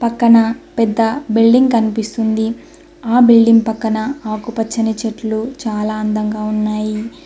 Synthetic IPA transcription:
pɐkːɐnɐpɛd̪ːɐbilɖiŋɡkɐnipist̪und̪i | aːbilɖiŋɡpɐkːɐnɐaːkupɐt͡ʃːɐnit͡ʃeʈlut͡ʃaːlaːɐnd̪ɐŋɡaːunːaːji

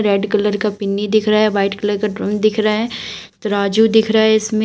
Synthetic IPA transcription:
ɾeːɖkɐləɾkapɪnːid̪ɪkʰɾaaɦɛʋaːɪʈkɐləɾkaʈɾɐ̃md̪ɪkʰɾaaɦɛːt̪ɐɾaːd͡ʒud̪ɪkʰɾaɦɛɪsmẽ

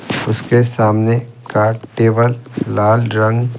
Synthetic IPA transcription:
ʊskesaːmnekaːʈeːbəllaːlɾɐ̃ŋɡ

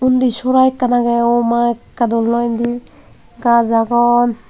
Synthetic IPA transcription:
und̪isɔɾajkːanaɡɛɔmakːad̪ɔlːɔjnd̪i | ɡazaɡɔn

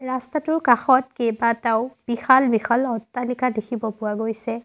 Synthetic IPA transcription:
ɹastatʊɹkaxɔtkejbataʊb̥ixalbixalɔtːalikadekʰibɔpʊwaɡojsɛ

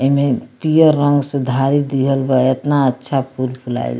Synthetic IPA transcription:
əɦmepijəɾːəŋɡsẽd̪ʱaɾid̪iɦəlbaet̪naətːʃʰapuɾbʰʱula̰l

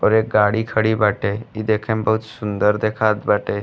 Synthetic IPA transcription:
ɔɾek̚ɡaɽiːkʰəɽiːbaʈeid̪ekʰẽmbəɦut̪sund̪əɾd̪ekʰat̪baʈe

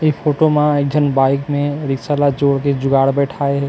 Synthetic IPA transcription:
ipʰoːʈomãeːk̚d͡ʒʱənbaːɪkmẽɾɪksalad͡ʒoːɽked͡ʒʊɡaːɽbɛːʈʰaːeɦɛː

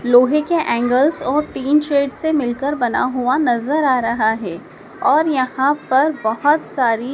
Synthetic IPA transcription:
loːɦekeʔɛ̃ːŋɡəlzɔːɾʈiːnt͡ʃeːɖsemɪlkəɾbɐna̰ɦuanɐzəɾaːɾɐɦaɦɛː | ɔːɾjɐhãpɐɾbɐɦʊt̪saːɾi

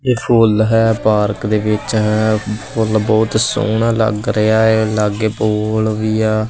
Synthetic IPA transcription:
eːpʰʊlɦɛːpaːɾkd̪eːʋɪt͡ʃɦɛpʰʊlbɔːt̪so̰ːnãːlə̰ɡɾəaːeːləɡeːpoːlʋiːɛː

